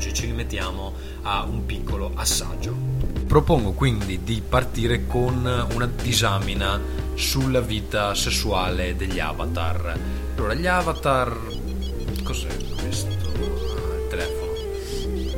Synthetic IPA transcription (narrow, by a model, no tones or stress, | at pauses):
d͡ʒit͡ʃiɾimet̪ːjaːmo | aumpikːoloʔasːa̰d͡ʒːopɾopoŋɡokwind̪id̪ipart̪iːɾekonunad̪izaːmina | sulːaviːt̪asesːuaːled̪eʎːa̰ːva̰t̪a̰r | alːoːɾaʎavat̪ar | kɔzɛ̰ | kwest̪olt̪elɛːfono